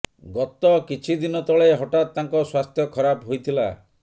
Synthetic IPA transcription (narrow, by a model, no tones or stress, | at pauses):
ɡɔt̪ɔkit͡ʃʰid̪inɔt̪ɔɭeɦɔʈat̪t̪ːaŋkɔswast̪ʰjɔkʰɔɾabɦojt̪ʰila̰